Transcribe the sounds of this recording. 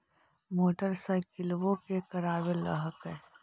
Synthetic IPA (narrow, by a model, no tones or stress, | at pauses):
moːʈəɾsaɪkɪlʋõkekɐɾaːwelə̰ɦəkɦɛː